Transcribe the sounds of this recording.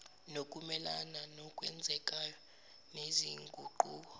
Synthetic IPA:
nokʼumɛlananɔkʼwɛnd͡zʱɛkʼajɔ | neziŋɡʱuǃuːɓɔ

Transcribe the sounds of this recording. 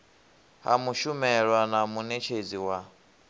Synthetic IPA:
ɦa̰muʃumɛɺwanamunet͡ʃʰed͡ziwa

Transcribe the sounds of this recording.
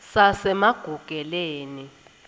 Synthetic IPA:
sasɛmaɡ̥ʱuɡ̥ʱɛleːni

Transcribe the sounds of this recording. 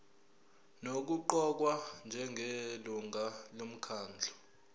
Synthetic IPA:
nok̬uǃɔk̬wand͡ʒʱɛŋʱeluŋalom̩kʰaːnd͡ɮʱɔ

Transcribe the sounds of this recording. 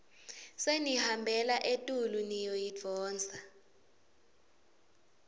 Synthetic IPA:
senihambʱɛlaʔetʼulunijɔjid͡v̪̥ʱɔːnt͡sa

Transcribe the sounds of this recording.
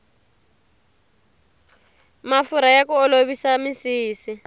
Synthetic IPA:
mafuɾajakuɔloβisamisiːsi

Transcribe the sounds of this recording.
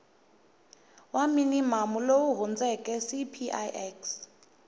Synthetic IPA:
waminimamulowuɦund͡zɛkʼɛsipʰiʔajʔɛks

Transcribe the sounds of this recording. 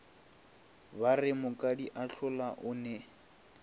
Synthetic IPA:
barɪmʊkʼadiʔaɬʰʊlaʔʊnɛ

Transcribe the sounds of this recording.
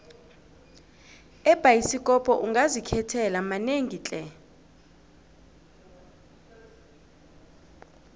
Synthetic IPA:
ɛb̥ʱajisikʼɔpʰʼɔʔuŋɡʱazikʰɛtʰɛlamaneŋʱit͡ɬʼɛ

